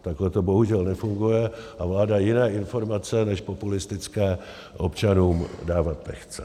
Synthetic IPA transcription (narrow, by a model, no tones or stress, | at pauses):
t̪aklɛt̪o̞bo̞ɦuʒɛlnɛfuŋɡujɛʔavlaːdajɪnɛːʔɪnfo̞ɾmat͡sɛnɛʃpo̞pulɪst̪ɪt͡skɛː | ʔo̞̰pt͡ʃanuːmdaːvat̪ːɛxt͡sɛ